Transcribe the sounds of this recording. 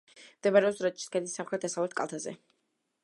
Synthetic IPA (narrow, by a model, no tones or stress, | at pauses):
md̪ɛmaɾɛɔpsɾat͡ʃʰʼi̥skɛnisːamχlɾɛt̪̚d̪asavlɛt̪̚ʰkʼa̰lˠt̪ʰazɛ̰